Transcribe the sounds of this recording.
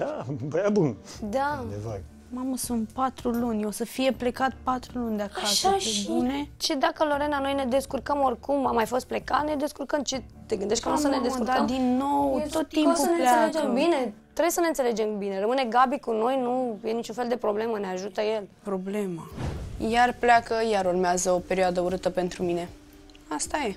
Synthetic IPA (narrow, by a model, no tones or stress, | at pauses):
abəabund̪ad̪evə | maməsunt̪̚pat̪ɾulunʲo̞səfije̞ple̞kat̪̚pat̪ɾulunʲd̪eakasʃaebune̞t͡ʃed̪akəlo̞ɾe̞nano̞jne̞d̪e̞skurkəmo̞rʲkumamajfo̞st̪̚ple̞kat̪ne̞d̪e̞skurkəmt͡ʃe | t̪e̞ɡɨnd̪eʃt̪kənusəned̪eskuɾkəmd̪inːo̞wt̪ot̪ːimpuəneleaeed͡ʒembine̞t̪ɾe̞bsəne̞ɨnt̪sele̞d͡ʒe̞mbine̞rəmɨne̞ɡabikuno̞jnuje̞nit͡ʃunfeld̪e̞pɾo̞ble̞məneaʒut̪əje̞lpɾo̞ble̞majarplakəjaɾurmeazəo̞pe̞ɾioad̪əuɾɨt̪əpe̞nt̪ɾumine̞ | ast̪aje̞